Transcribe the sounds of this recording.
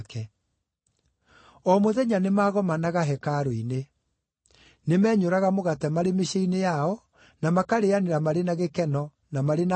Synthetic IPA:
kɛ | ɔmoðɛɲanemaːɣɔmanaɣaɦɛkaɾoine | nemɛːɲoɾaɣamoɣatɛmaɾemeɕeinejaɔ | namakaɾeaneɾamaɾenaɣekɛnɔ | namaɾena

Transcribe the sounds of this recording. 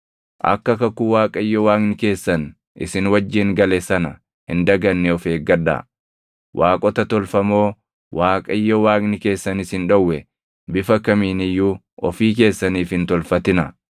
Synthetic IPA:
ʔɐ̰kːɐkɐkːʊwaːkʼɐɪjːɔwaːknɪke̞ːsːɐn | ʔɪ̰sɪnwɐd͡ʒːɪŋɡɐlɛsɐnɐ | hɪnd̪ɐɡɐnːɛɔfeːɡɐd̪a̰ː | wʔaːkʼɔt̪ɐt̪ɔlfɐmo̞ː | wʔaːkʼɐɪjːɔwaːknɪke̞ːsːɐnɪshɪnᶑɐwːɛ | bɪfɐkɐmiːnɪjːuː | ɔfiːk̬e̞ːsːɐniːfhɪnt̪ɔlfɐt̪ɪnɐ

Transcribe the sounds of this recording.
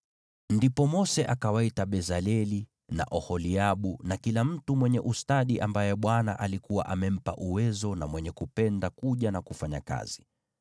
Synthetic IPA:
ndipɔmɔsɛʔakawaitaɓɛzalɛli | na̰ʔɔhɔliaɓunakilam̩tumwɛɲɛʔustaɗiʔambajɛɓwana̰ʔalikuwa̰ʔamɛm̩pa̰ʔuwɛzɔnamwɛɲɛkupɛndakuʄanakufaɲa̰ka̰z̥i

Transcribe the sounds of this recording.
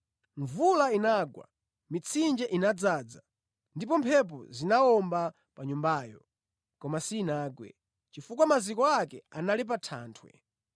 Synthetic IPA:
ɱvulainaɡwa̰ | mit͡sʰind͡ʒɛʔinad͡zaːd͡za | ndipɔmpʰɛp̬ɔ̰zinaɔmba | paɲumbaːjɔ̰ | kɔmasiːnaːɡwɛ̰ | t͡ʃifuk̬wamazikɔakɛanalip̬atʰa̰ːntʰwɛ̰

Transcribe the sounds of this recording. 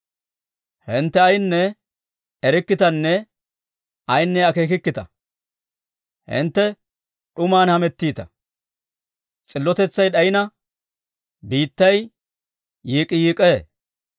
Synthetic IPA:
hɪnt̪ːɛɐjnːɛ | ɛɾɪkːɪt̪ɐnːɛ | ɐjnːɛɐke̞ːkɪkːɪt̪ɐ̰ | hɪ̰nt̪ːɛ | ɗʊmaːnhɐmɛt̪ːiːt̪ɐ̰ | t͡sʼɪlːɔt̪ɛt͡sːɐjɗɐjɪnɐ | biːt̪ːɐj | jiːkʼɪjiːkʼeː

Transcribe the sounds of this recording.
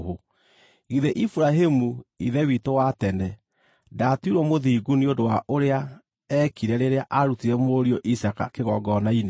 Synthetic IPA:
o | ɣiðeʔifuɾaɦemuiðɛwitowatɛnɛ | datuiɾwɔmoðiɡuniondowaʔoɾea | ɛkiɾɛɾeɾeaʔaɾutiɾɛmoɾioʔisaka̰keɣɔɡɔnaine

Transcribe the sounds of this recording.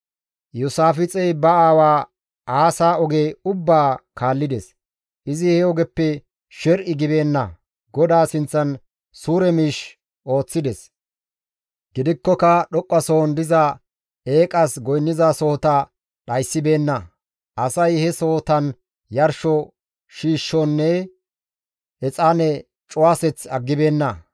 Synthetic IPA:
jʊsaːfɪt͡sʼɛjbɐaːwaː | aːsaːɔɡeːʊbːaːkʰaːlːɪd̪ɛs | ʔɪzɪhɛɔɡɛpːɛ | ʃɛɾʔɪɡɪbeːnːɐ | ɡɔd̪aːsɪnt͡sːɐn | suːɾɛmiːʃ | ʔo̞ːt͡sːɪd̪ɛs | ɡɪd̪ɪkːɔkɐɗɔkʼːɐsoːnd̪ɪzɐ | eːkʼɐsɡɔjnːɪzaso̞ːt̪ɐ | ɗɐjsːɪbe̞ːnːɐ | ʔɐsɐjhɛso̞ːt̪ɐn | jɐɾʃɔ | ʃiːʃːɔnːɛ | ɛt͡sʼanɛ | t͡ʃʼʊwaːsɛt͡sɐɡːɪbe̞ːnːɐ

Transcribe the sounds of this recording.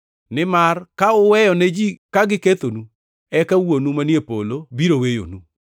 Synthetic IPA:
nɪmarkaʊwɛjɔnɛd͡ʒikaɡɪket̪onu | ɛkawonumanjepolobiɾowejo̰nu

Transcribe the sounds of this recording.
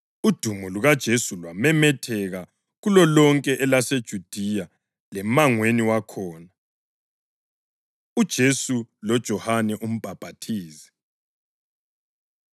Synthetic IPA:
ud̥ʱumɔluɣad̥ʒ̥ʱesulwamɛmɛtʰɛɣa | ɣulɔlɔŋkʼɛʔɛlased̥ʒ̥ʱud̥ʱija | lɛmaŋweniwakʰɔːna | ud̥ʒ̥ʱesulɔd̥ʒ̥ʱɔhanɛʔum̩b̥ʱab̥ʱatʰiːzɛ̥

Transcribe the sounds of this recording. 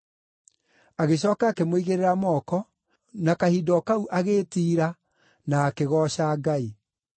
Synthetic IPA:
aɣeɕ̬ɔːkaːkemoiɣeɾeɾamɔkɔ | nakahiːdɔkauʔaɣeːtiːɾa | naːkeɣɔɕaːɡai

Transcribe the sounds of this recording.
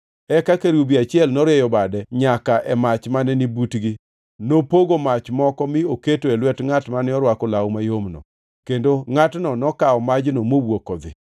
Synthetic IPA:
ɛkakeɾubiat͡ʃɪɛlnɔɾɪɛjɔbadɛɲakaʔɛmat͡ʃmanɛnibutɡi | nopoɡomat͡ʃmɔkɔmɪoketoelwɛtŋatmanɪɔɾwakɔlawmajomnɔ̰ | kendoŋatnɔnɔkaɔmad͡ʒnomowwokɔd̪ɪ̰

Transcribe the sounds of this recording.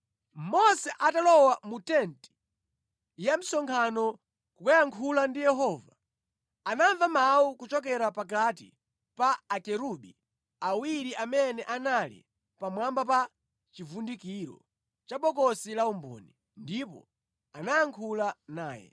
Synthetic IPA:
mɔsɛʔatalɔwamutɛnti̥ | jam̩sɔŋkʰanɔ | kukajaŋkʰulandijɛɦɔːva | anaɱvamaukut͡ʃɔk̬ɛɾapak̬atḭ | paːkɛɾuɓi | awiɾiʔamɛnɛʔanalḭ | pamwambapa | t͡ʃivundikiɾɔ̰ | t͡ʃaɓɔkɔsilaumbɔ̰ːni | ndipɔ̰ | anajaŋkʰulanaːjɛ̰

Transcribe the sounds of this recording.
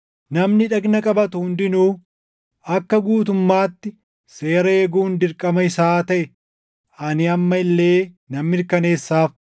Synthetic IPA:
nɐmnɪᶑɐɡnɐkʼɐbɐt̪ʊhʊnd̪ɪnuː | ʔɐkːɐɡuːt̪̬ʊmːaːt̪ːɪ | se̞ːɾɐeːɡuːnd̪ɪɾkʼɐmɐɪsaːt̪ɐʔɛ | ɐnɪɐmːɐɪlːe̞ː | nɐmːɪɾkɐne̞ːsːaːf

